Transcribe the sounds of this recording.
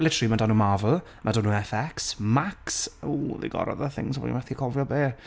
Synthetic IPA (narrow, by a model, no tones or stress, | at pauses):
lɪtʰəɾimadanumavl̩ˠ | mʔadʊnuɛfɛksmaksuːðḛɡɔ̰ɾɔ̰ðəθɪ̰ŋsbɔ̰dḭmɛθikʰɔvjɔbeː